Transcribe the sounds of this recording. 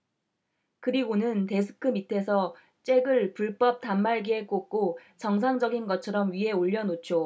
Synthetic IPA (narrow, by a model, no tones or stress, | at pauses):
kɯɾiɡonɯnte̞sʰɯ̥kʰɯmitʰe̞sʰʌ | t͡ɕ͈e̞ɡɯɭpuɭp͈ʌp̚tamːaɭɡiɦek͈ok̚k͈ot͡ɕʌŋs̬ʰaŋd͡ʑʌɡinɡʌt̚t͡ɕʰʌɾʌmɥiɦe̞oʎːʌnot͡ɕʰjo